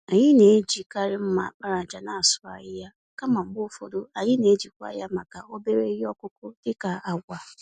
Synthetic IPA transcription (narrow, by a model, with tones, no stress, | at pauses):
a˨ɲɪ˦ne˨˦d͡ʒi˨ka˦ɾɪ˦m̩˦ma̰˨k͡pa˦ɾa˨d͡ʒa˨na˦˨sʊ˦a̰˨jɪ˦ja˦ | ka˦ma˨m̩˦ɡ͡bʊ˦fo̰˨do˦a˨ɲɪ˦ne˨˦d͡ʒi˨kʷa̰˦ja˦ma˨ka˨o˦be˦ɾe˦i˦ɔ˦kʷʊ˦kʊ˦dɪ˦ka˨a˨ɡʷa˨